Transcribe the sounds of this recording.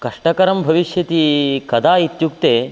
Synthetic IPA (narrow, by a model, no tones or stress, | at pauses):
kɐʂʈɐkɐɾɐmbʱɐʋiʃjɐt̪ikɐd̪ʱaːit̪jukt̪eː